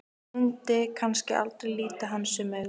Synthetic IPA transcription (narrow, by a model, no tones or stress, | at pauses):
unt̪ɪkʰanscɪʔa̰lt̪ɾejliːt̪aɦanːsʏmɛ